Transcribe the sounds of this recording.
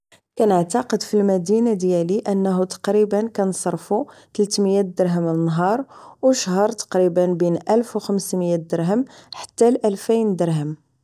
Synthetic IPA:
kænəʕt̪ɑqəd̪filmæd̪inad̪jæliʔənːæɦut̪ɑ̥qɾibənkænsˤɑɾˤfu | t̪əlt̪məjæd̪əɾɦəmlənːɦɑɾˤwʃɦəɾˤt̪ɑ̥qɾibənbinʔælfwxəmsməjæd̪əɾɦəmħḁt̪ːælʔælfijnd̪əɾɦəm

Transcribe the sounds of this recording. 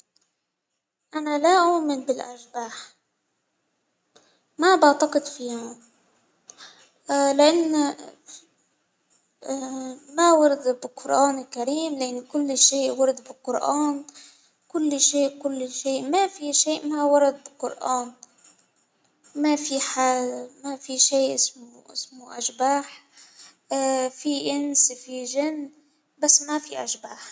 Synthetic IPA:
ʔanalaʔaːmɪnbɪlʔa̰ʒbaːħ | mabaʕt̪ɑqɨd̪fiːhʊ | lɪʔanː | mawɑɾˤd̪bɪqʊɾʔaːnɪlkaɾiːmlɪʔɪnːkʊlːʃeːʔwɑɾˤd̪bɪqʊɾʔaːn | kʊlːʃeːʔkʊlːʃeːʔmafiʃeːʔmawɑɾˤɑd̪̚bɪqʊɾʔaːn | mafiħamafiʃeːʔʔɪsmʔɪ̰smuʔaʒbaːħ | fiʔɪnsfiʒɪnː | basːmafiʔaʒbaːħ

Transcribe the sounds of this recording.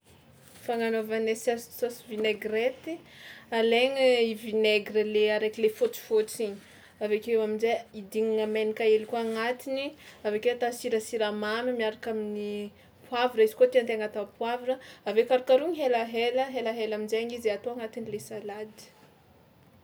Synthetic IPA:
faŋanovanesssosivineɡret̪ialeŋiivineɡrəleaɾekilefot͡si̥fot͡siɲ | avekewaminzeid̪iŋiŋəmenikaelikuaŋat̪iniavekewat̪asiɾəsiɾamamimiaɾakamini | puavurəizikuot̪eant̪eaŋat̪apwavurəavekaɾakaɾuŋiɦelaɦeləɦelaɦelaminzeaŋizat̪oaŋat̪inilesalad̪i̥

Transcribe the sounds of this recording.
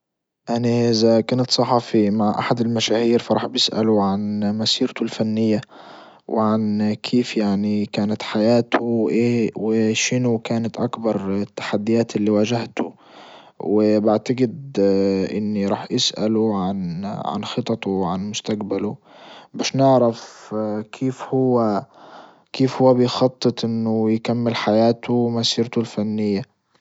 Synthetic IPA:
ʔaniʔɪzakaːnat̪sˤɑħɑːfimaʕʔa̰ħad̪ɪlmaʃaːhiːɾfɑɾˤɑːħbjɪsʔa̰lʊʕanmasiːɾt̪ʊlfanːɪjːa | wɪʕankʰeːfjaʕnikaːnat̪ħajaːt̪ʰʊwʔeːwɪʃɪnʊkaːnat̪ʔakbɑɾˤɪt̪ːḁħad̪ːɪjaːt̪ɪlːiwaːʒaht̪ʊ̰ | wɪbaʕt̪aɡɪd̪ʔɪ̰nːiɾˤɑːħʔasʔa̰luʕanʕa̰nxɨt̪ˤɑt̪uwʕanmʊst̪aqbalʊ | baːʃnɪʕɾafkʰiːfhʊwːa | kiːfhʊwːabɪjxɑt̪ˤːɨt̪ˤʔɪnːʊjkamːɪlħajaːt̪ʊmasiːɾt̪ʊlfanːɪjːa

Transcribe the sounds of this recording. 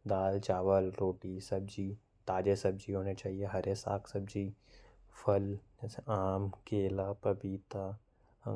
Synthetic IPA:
d̪aːlt͡ʃaːʋəlɾoːʈisɐb̚d͡ʒiː | t̪aːd͡ʒesɐb̚d͡ʒiɦoːnet͡ʃaːɦieɦɐɾesa̰ːkʰsɐb̚d͡ʒiːfʰɐld͡ʒɛːseʔaːmkeːlaːpɐbiːt̪a

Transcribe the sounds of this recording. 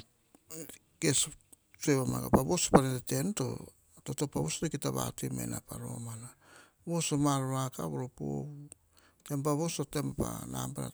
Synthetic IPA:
ke̞s | sueβama̰ka̰paβo̞sopanetete̞nto̞̰ | to̞to̞paβo̞sotokitaβa̰temḛnapaɾo̞̰mana | βo̞somaɾoɾaka̰βoɾopo̰u | tempaβosotemapa̰na̰mpaɾa̰

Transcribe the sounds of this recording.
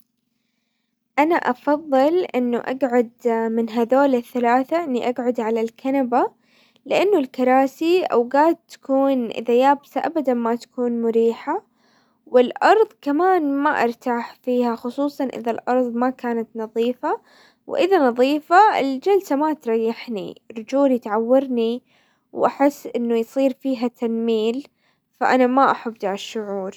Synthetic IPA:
ʔanaʔɑfɑðˤːɨlʔɪnːʊʔa̰ɡʕʊd̪mɪnɦaðoːlɪθːalaːθaʔɪnːiʔaɡʕʊd̪ʕalalkʰanaba | lɪʔanːʊlkɑɾˤɑːsiʔa̰wɡaːd̪̚t̪ːḁkuːnʔɪ̰ðajaːbsaʔabad̪anmat̪ḁkuːnmʊɾiːħa | wɪlʔɑɾˤðˤkamaːnmaʔɪ̰ɾˤt̪aːħfiːhaxʊsˤuːsˤɑnʔɪ̰ðalʔɑɾˤðˤmakaːnat̪nɑðˤiːfa | wʔɪðanɑðˤiːfaɪ̰ld͡ʒalsamat̪ɾˤɑjːaħnḭɾˤd͡ʒuːljɪt̪ʕawːɑɾni | wʔaħɪsːʔɪnːʊjsˤiːɾfiːɦat̪ʰanːiːl | faʔanamaʔaħabd̪aʕʃːʊʕuːɾ

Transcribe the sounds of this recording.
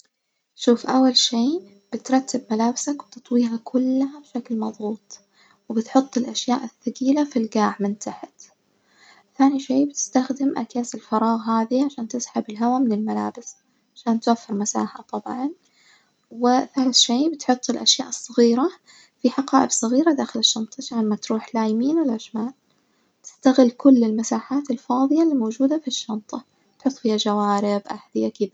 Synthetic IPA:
ʃuːfʔawːalʃiː | b̥ɪt̪ɾˤɑt̪ːɪb̚malaːbɪsakwɪt̪ɨ̥t̪ˤwiːɦakʰʊlːhabʃaklmɑðˤɣuːt̪ˤ | wɪbɪt̪ħʊt̪ˤːɪlʔaʃjaːʔɪθːaɡiːlafilɡaːʕmɪnt̪ʰaħɪt̪ | θaːniʃiːbɪt̪ɪ̥st̪axd̪ɪmʔa̰kaːsɪlfɑɾˤɑːɣɦaːðiʕaʃaːnt̪ɪsħabɪlɦawamɪnɪlmalaːbɪs | ʕaʃaːnt̪wafːɪɾmasa̰ːħa̰t̪ˤɑbʕɑn | wɪθaːlɪθʃeːbɪt̪ħʊt̪ˤːɪlʔaʃja̰ːʔɨsˤːɨɣiːɾa | fiħɑqɑːʔɪbsˤɨɣiːɾad̪aːxɪlɪʃːɑnt̪ˤaʃaːnmat̪ɾuːħlaːjmiːnwɪlʕɪʃmaːl | t̪ɪ̥st̪aɣɪlːkʊlːɪlmasaːħaːt̪ɪlfɑːðˤɨjaliːmowd͡ʒuːd̪afiʃːɑnt̪ˤɑ | t̪ħʊt̪ˤːfiːhad͡ʒawaːɾɪbʔaħd̪ɪjakɪða

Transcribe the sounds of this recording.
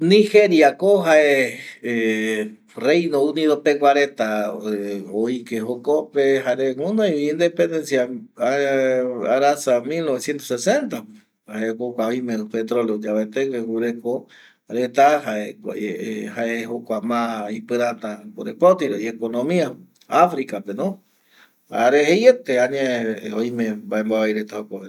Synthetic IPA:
nĩxeɾjakoɦaʔee | rejnoũniðopekʷaɾet̪a | oikehokopeɦaɾeũnoiːnd̪epend̪ensjaa | aɾasamilnoβesjent̪osesent̪ap | aekokʷaoj̃mẽpet̪ɾoleod͡ʒaβet̪eŋɡeɡuɾeko | ɾet̪ahae | haehokʷamãipɨɾat̪aoɾepot̪iɾoiekonõmĩa | afɾikapenõ | a̰ɾehejet̪eaɲãoj̃mẽbaemboβajɾet̪ahokʷae

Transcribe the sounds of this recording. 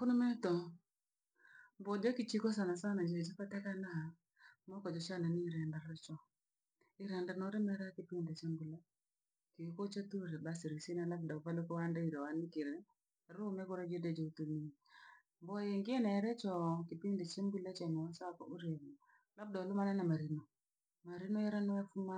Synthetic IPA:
kʊnɔmɛtɔ | mbɔd͡ʒɔkit͡ʃikos̬anasanad͡ʒeed͡ʒipatɛkanaha | mɔkɔd͡ʒɔt͡ʃananiɾɛndaɾɛt͡ʃɔ | ɪɾɛndanɔɾɛmɛɾakɪpindet͡ʃembule | kiukot͡ʃatuɾɛbasiɾisinalafdapalokɔwandaiɾawanikɪɾɛ | ɾumɛkɔɾed͡ʒeded͡ʒoutuni | mbɔjeŋɡɪenɛɾɛt͡ʃɔkɪpindet͡ʃembulet͡ʃɔmɔsakɔuɾemu | lap̚dalʊmanɛnamaɾino | maɾinojɛɾanɔɛfuma

